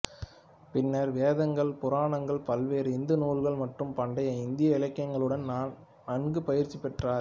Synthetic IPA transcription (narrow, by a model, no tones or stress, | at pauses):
pɪnːɐɾʋeːðɐŋɡɐɭpʊɾaːɳɐŋɡɐɭpɐlʋeːɾɪnd̪ɯnuːlɣɐɭmɐʈrɯmpɐɳɖɐjɐɪnd̪ɪjɐɪlɐkːjɐŋɡɐɭɯɽɐnnaːn | nɐɳɡɯpɐjɪɾt͡ʃːipɛʈraːɾ